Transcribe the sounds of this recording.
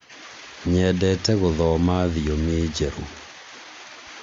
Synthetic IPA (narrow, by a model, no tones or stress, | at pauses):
ɲɛdɛtɛɣʊðɔmaðɪjomɪd͡ʒeɾṵ